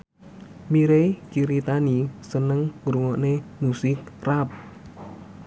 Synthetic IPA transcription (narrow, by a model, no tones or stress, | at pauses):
miɾekiɾit̪anisənəŋŋɾuŋɔʔnemusɪk̚rap̚